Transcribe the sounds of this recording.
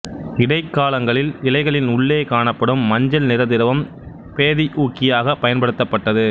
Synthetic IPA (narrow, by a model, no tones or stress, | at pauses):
ɪɽɐɪkːaːlɐŋɡɐɭɪlɪlɐɪɣɐɭɪnʊɭːeːkaːɳɐpːɐɽɯmːɐɲd͡ʒɐlnɪɾɐðɪɾɐʋɐm | peːðiʔuːkːɪjaːɣɐpːɐjɐnpɐɽɯt̪ːɐpːɐʈːɐðɯ